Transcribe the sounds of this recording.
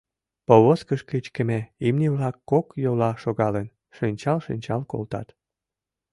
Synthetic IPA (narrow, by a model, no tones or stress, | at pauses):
poβoskəʃket͡ɕkə̆meimniβlɑkːokjolɑʃoɣɑlen | ʃynʲt͡ɕɑlʃinʲt͡ɕɑlko̰lt̪ɑ̰t̪